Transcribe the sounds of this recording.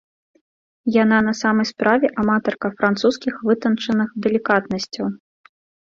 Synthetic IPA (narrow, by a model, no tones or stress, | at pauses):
jan̪an̪ɐsamɐjspɾavʲɛʔamat̪ɔrkɐfɾant̪suskʲixvɨt̪ɐnt͡ʂɐnɨxd̪ɛlʲikat̪nɐsʲt͡sʲɐw